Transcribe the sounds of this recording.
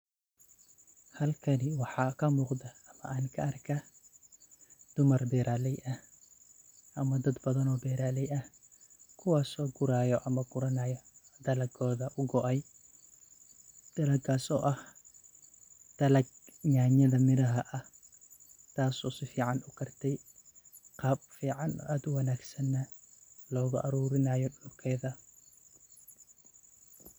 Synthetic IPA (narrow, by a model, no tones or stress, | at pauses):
hɐlkʰɐnɪwɑħɑːkʰɐmuːqd̪ɐɐmɐʔaːnkʰɐɐrkʰɐ | d̪̥ʊmɐrbɛːɾaːlɛjʔɐh | ʔɐmɐd̪ɐd̪bɐðɐnɔːbɛːɾaːlɛjɐhkʰʊwaːsɔːɡʊɾaːjɔʔɐmɐɡʊɾɐnaːjɔd̪ɐlɐɡɔːðɐʔʊɡɔʔɛj | d̪̥ɐlɐɡʰaːsɔ̰ːʔɐh | d̪̥ɐlɐɡɲaːɲɐðɐmɪɾɐɦɐʔɐh | t̪ʰaːsɔːsɪfiːʕɑnʊkʰɐrt̪ʰɛj | qɑːbfiːʕɑnɔ̰ːʔaːd̪ʊwɐnaːɡsɐnːɐlɔːɣʊʔɐɾuːɾɪnaːjɔɗʊlkʰɛjðɐ